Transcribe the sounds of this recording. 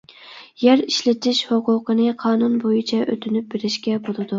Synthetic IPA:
jæɾiʃlɪt̪ʰɪʃhoqʊqənɨqʰɑːnunbojit͡ʃʰɛʔøt̪ʰynyp̚beɾɪʃkʲɛbolˠɨd̪u

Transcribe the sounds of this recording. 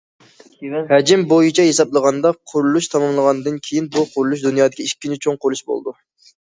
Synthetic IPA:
hɛd͡ʒɪmbojit͡ʃʰɛjesɑblˠəʁɑnd̪ɑqʰʊɾlˠuʃt̪ʰɑmɑmlˠəʁɑnd̪ɨnkʲʰejinbuqʰʊɾlˠuʃ̬d̪unjɑːd̪ɪkʲiiʃkʲːinɪt͡ʃʰoŋqʰʊɾlˠuʃbo̰lˠd̪u

